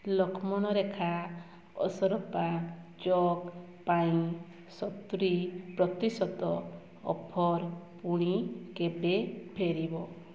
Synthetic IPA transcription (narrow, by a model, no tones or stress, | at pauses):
lɔkʰɔmɔɽ̃ɔɾekʰa | ɔ̰sɔɾɔpad͡ʒɔk | paĩ | sɔt̪ɾipɾɔt̪isɔt̪ɔ | ɔ̰pʰɔɾpuɽ̃ikebepʰeɾibɔ